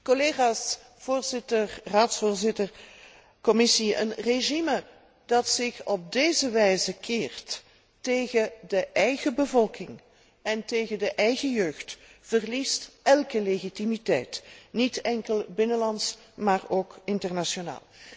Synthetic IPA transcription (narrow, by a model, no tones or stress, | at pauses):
kɔleːɣaːs | v̥oːrzɪtərraːtsfoːrzɪtər | kɔmɪsiə̰nreʒimə | dɑtsɪxɔb̚deːzəʋɛjzəkʰeːrtː | eːɣədəʔɛjɣəbəvɔlˠkɪŋ | ɛnteːɣəndəʔɛjɣəjøːxtv̥ərlistʔɛlˠkəleɣitimitɛ̰jtnitɛŋkəlˠbɪnəlɑnts | maːroːkɪntərnaʃona̰ːlˠ